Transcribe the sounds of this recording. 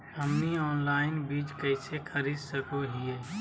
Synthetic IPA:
əmniɔːnlaːɪnbiːt͡ʃkəɪsekʰəɾiːd̪səkoɦieː

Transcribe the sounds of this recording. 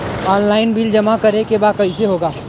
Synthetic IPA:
ɔːnlaːɪnbild͡ʒɐmakɐɾekebaːd̪̚kɐɦiseɦoːɡaː

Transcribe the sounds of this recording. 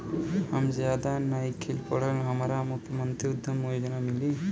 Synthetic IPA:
amzjad̪anajkʰilpɔɽəlɦəmaɾamukʰːjəmɔnt̪ɾiʊd̪ʱːəmojd͡ʒɔnamili

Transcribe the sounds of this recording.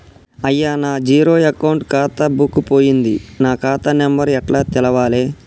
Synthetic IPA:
ɐjːaːnaːd͡ʒiːɾoːɐkɐwɳʈkaːt̪ɐbukːupo̞ːjind̪inaːkaːt̪ɐnɛmbɐɾɛʈlaːt̪ɛlɐʋaːleː

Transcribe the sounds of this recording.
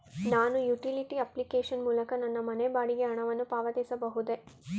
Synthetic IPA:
naːnujuʈiliʈiɐplikeːʂɐnmuːlɐkɐnɐnːɐmɐnebaːɽiɡeɦɐɳɐʋɐnːupaːʋɐd̪ɛːsɐbɐɦud̪e

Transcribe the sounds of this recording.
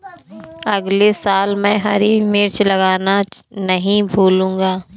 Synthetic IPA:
ɐɡlesaːlmɛ̃ːɦɐɾimɪɾt͡ʃlɐɡaːnanɐɦĩbʱuːlũːŋɡaː

